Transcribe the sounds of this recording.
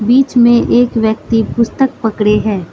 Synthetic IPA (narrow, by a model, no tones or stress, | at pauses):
biːt͡ʃmẽʔeːkʋjək̚t̪ipʊst̪ək̚pɐkɽeɦɛː